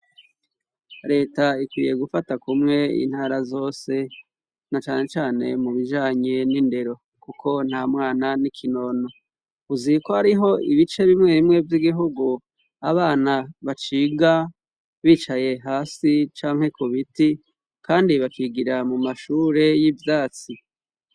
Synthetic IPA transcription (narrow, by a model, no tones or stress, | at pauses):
ɾe̞ːtaikwḭːje̞ɡufatakumŋe̞ḭn̥haːɾazo̞ːse̞ | nat͡ʃaːne̞t͡ʃaːne̞̰muβiʒaːɲe̞ninde̞ɾo̞ | kuko̞n̥hamŋaːnanikʰino̞ːno̞ | uzikohaɾiɦo̞iβit͡ʃe̞βimŋe̞βimŋe̞vjiɡiɦuɡu | aβaːnaβat͡ʃiːɡa | βiːt͡ʃaje̞ɦaːsit͡ʃaːŋ̥he̞kʰoβiti | kaːndiβakiɡiɾamumaʃuːɾe̞jivjaːt͡si